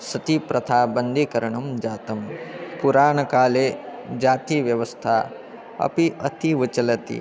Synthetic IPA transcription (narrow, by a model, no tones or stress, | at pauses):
sɐt̪ipɾɐt̪ʰaːbɐnd̪ʱikɐɾɐɳɐmd͡ʒaːt̪ɐmpuɾaːɳɐkaːleːd͡ʒaːt̪iʋjɐʋɐst̪ʰa | ɐ̰piʔɐ̰t̪ʰiʋɐt͡ʃɐlɐt̪ḭ